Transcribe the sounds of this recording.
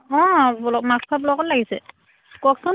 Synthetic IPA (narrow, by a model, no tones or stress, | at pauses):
ɔ̃blɔmakspʰablɔkɔtlaɡisɛ̰ | kɔksɔn